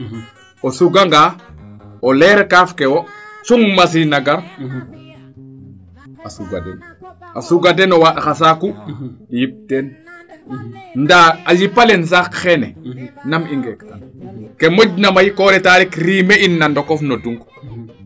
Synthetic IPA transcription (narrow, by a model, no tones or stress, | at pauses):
osuɡaŋɡa | olɛɾekaːfkewosuŋmas̬inaɡaɾ | asuɡa̰dɛ̰nasuɡadenowaɗaxas̬akujip̚ten | ndaalipːalens̬akxɛnɛnamiŋɡektankemoɟnamajikoɾɛtaːɾikɾimeinːandokofnoduŋɡ